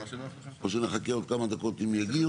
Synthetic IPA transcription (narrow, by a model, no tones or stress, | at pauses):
oʃeneχakeod̪̚kamad̪ako̞t̪imjaɡi